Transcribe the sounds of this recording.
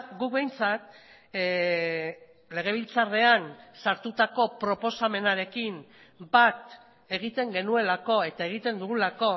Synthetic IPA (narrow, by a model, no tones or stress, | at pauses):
ɡuk̚βe̞jnt͡sat̪̚ | le̞ɣ̞e̞β̞ilt͡sare̞ansaɾt̪ut̪ako̞pɾo̞po̞same̞naɾe̞kim | bat̪ | e̞ɣ̞it̪e̞ŋɡe̞nue̞lako̞e̞t̪ae̞ɣ̞it̪e̞nd̪uɣulako̞